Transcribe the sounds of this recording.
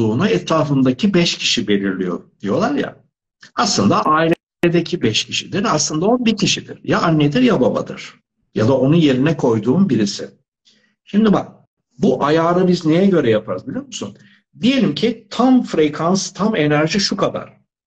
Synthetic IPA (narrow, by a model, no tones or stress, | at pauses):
uːnaɛt̪ɾaːfɯnd̪acʰibɛʃcʰi̥ʃibe̞lʲiɾlʲijo̞̰d̪̥ijo̞lˠaɾja̰ | aslˠɯnd̪aʔaːilʲɛ | ed̪ɛcʰibɛʃcʰiʃid̪iɾaslˠɯnd̪aonbicʰiʃid̪ḭɾ̥jaʔanːed̪iɾjababa̰d̪ɯ̰ɾ̥ | ja̰d̪ao̞nuje̞ɾinɛkʰo̞jd̪uːnbiɾisɪ̰ | ʃimd̪ibak̚ | buʔajaːɾɯbizne̞jɛɟø̞ɾɛjapʰaɾɯzbilʲijo̞ɾmusṵn | d̪ije̞lʲimcʰit̪ʰamfɾekʰanst̪ʰame̞næɾʒiʃukʰad̪a̰ɾ̥